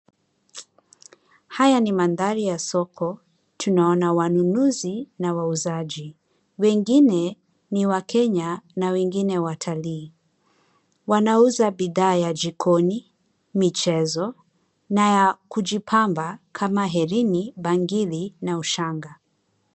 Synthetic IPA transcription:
hajanimanðaɾijasɔkʰɔ | tʰunaɔnawanunuzinawauzaʄi | wɛŋɡinɛ | niwakʰɛɲanawɛŋɡinɛwatʰaliː | wanauzabiðaːjad͡ʒikʰɔni | mit͡ʃɛzɔ | najakuʄipʰambakʰamaɦɛɾinibaŋɡilinauʃaŋɡa

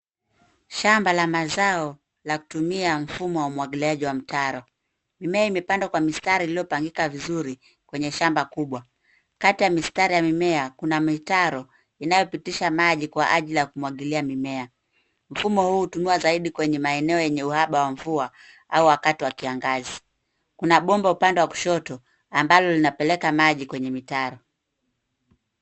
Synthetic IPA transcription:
ʃambalamazaɔ | laku̥tumiam̩fumɔwaumuwaɠiliaʄiwam̩tʰaɾɔ | mimɛaimɛpandakwamistaɾiːlijɔpaŋɡikavizuɾi | kwɛɲɛʃambakuɓwa | katijamistaɾijamimɛakunamitaɾɔ | inajɔpitiʃamaʄikwaʔaʄilijakumwaɠiliamimɛa | m̩fumɔhuːutunuazaiɗikwɛɲɛmaɛnɛɔjɛɲɛuhaɓawaɱvua | auwakatiwakiaŋɡazi | kunaɓɔmbaupandɛwaku̥ʃɔtɔ | ambalɔlinapɛlɛkamaʄikwɛɲɛmitaɾɔ

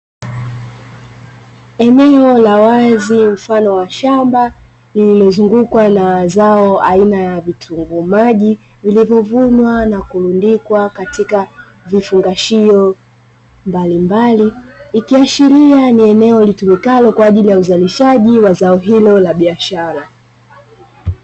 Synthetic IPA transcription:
ɛnɛɔlawazim̩fanɔwaʃamba | limɛzuŋɡukwanazaɔainajavitʰuŋɡumaʄi | vilivjɔvuɲwanakulundikwakatika | vifuŋɡaʃiɔ | mbalimbaliːkiaʃiɾianiɛnɛɔlitumikalɔkwaːʄilijauzaliʃaʄiwazaɔɦilɔlaɓiaʃaɾa

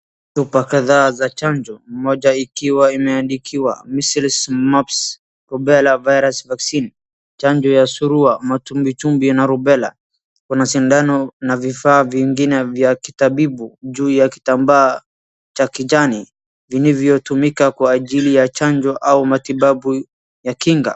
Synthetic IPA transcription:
θupakaðaːzat͡ʃaɲd͡ʒɔmɔʄaikiwaimɛandikʰiwa̰misilsmaps | ɾɔbɛlavajɾasvaksin | t͡ʃaɲd͡ʒɔjasuɾuamatumbit͡ʃumbinaɾubɛla̰ | kunasindanɔnavifaːviŋɡinɛvjakitaɓibuʄuːjaki̥tambaː | t͡ʃakid͡ʒani | vinivjɔtumikakwaːʄilijat͡ʃaɲd͡ʒɔʔaumatiɓabu | jakiŋɡa̰

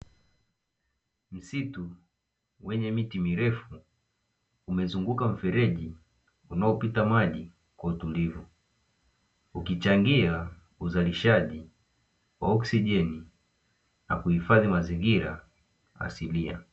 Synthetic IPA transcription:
m̩situ | wɛɲɛmitimiɾɛfu | umɛzuŋɡukam̩fɛɾɛʄi | unaɔpitamaʄi | kwautulivu | ukit͡ʃaŋɡia | uzaliʃaʄi | wa̰ɔksiʄɛni | na̰kuhifaðimaziŋɡiɾa̰ | a̰silia̰

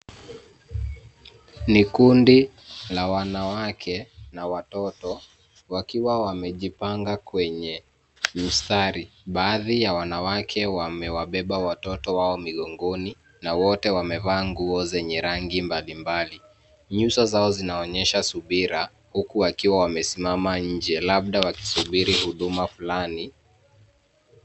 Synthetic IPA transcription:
nikundi | lawanawakʰɛnawatɔtɔ | wakiwawamɛʄipaŋɡakwɛɲɛ | m̩staɾiɓaːðijawanawakʰɛwamɛwaɓɛɓawatɔtɔwaɔmiɠɔŋɡɔni | nawɔtɛwamɛvaːŋɡuɔzɛɲɛɾaŋɡimbalimbali | ɲusazaɔzinaɔɲɛʃasuɓiɾa | hukuwakiwawamɛsimamaɲ̩d͡ʒɛlaɓ̚ɗawaki̥suɓiɾihuɗumafulani

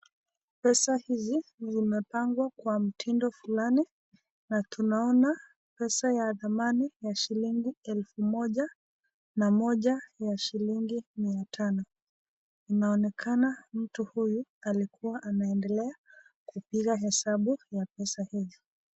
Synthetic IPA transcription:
pɛsahizizimɛpaŋɡwakwam̩tʰindɔfulani | natunaɔna | pɛsajaðamanijaʃiliŋɡiɛlfumɔʄa | namɔʄajaʃiliŋɡimiatʰanɔ | inaɔnɛkʰanam̩tuhujualikuwaʔanaɛndɛlɛa | kupiɣaɦɛsaɓujapɛsahizɔ

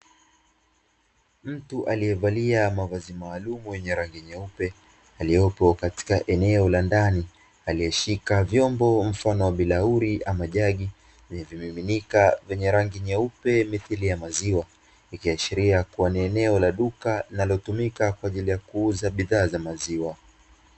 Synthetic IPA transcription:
m̩tuʔalijɛvaliamavazimaːlumujɛɲɛɾaŋɡiɲɛupɛ | aliɔpɔkati̥kaʔɛnɛɔlandani | alijɛʃikavjɔmbɔm̩fanɔwaɓilauɾiʔamaʄaɠi | viɲɛvjimiminikavɛɲɛɾaŋɡiɲɛupɛmiθilijamaziwa | ikiaʃiɾiakuwaniɛnɛɔlaɗukalinalɔtumikakwaːʄilijakuuzaɓiðaːzamaziwa

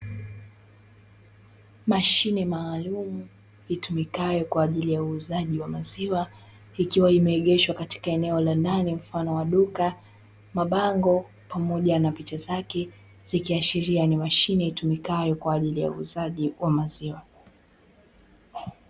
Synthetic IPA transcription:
maʃinɛmaːlumu | itumikajɔkwaːʄilijauːzaʄiwamaziwa | ikiwaimɛːɠɛʃwakati̥kaɛnɛɔlandanim̩fanɔwaɗuka | maɓaŋɡɔ | pamɔʄanapit͡ʃazakɛ | z̥ikiaʃiɾianimaʃinɛitumikajɔkwaːʄilija̰ṵːzaʄiwamaziwa

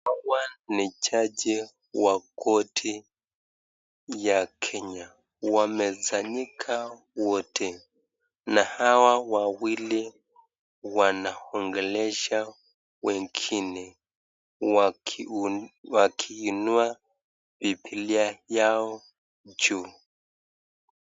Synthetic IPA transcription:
awanit͡ʃad͡ʒɛ | wakɔtʰi | jakʰɛɲa | wamɛzaɲikʰa | wɔtʰɛ | nahawawawili | wanahɔŋɡɛlɛʃa | wɛŋɡʰinɛ | wakʰiːnua | vipʰiliajaɔ | d͡ʒu

